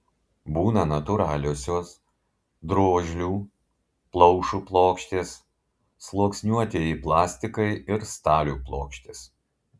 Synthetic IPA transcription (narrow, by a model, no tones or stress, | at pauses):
buːnɐnɐt̪ʊɾɑːlʲoːsʲoːs | d̪ɾoːʒʲlʲuː | plˠɒʊʃuːplˠoːkʃʲt̪ʲeːsː | lˠoːksʲnʲuːɐt̪ʲeːjiplˠɑːsʲt̪ʲɪkɐɪɪɾst̪ɑːlʲuːplˠoːkʃʲt̪ʲeːs